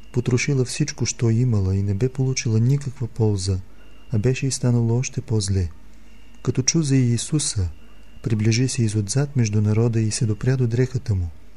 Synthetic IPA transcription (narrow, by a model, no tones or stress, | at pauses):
pot̪ɾoʃilˠəfsit͡ʃkoʃt̪ɔiməlˠəinɛbɛpolˠut͡ʃilˠənikəkvəpɔlˠzə | ɐbɛʃɛist̪anəlˠoɔʃt̪ɛpɔzlɛ | kɐt̪ɔt͡ʃuzəiːsusə | pɾibliʒisɛizod̪zat̪mɛʒd̪unɐɾɔd̪əisɛd̪opɾʲad̪od̪ɾɛxət̪əmu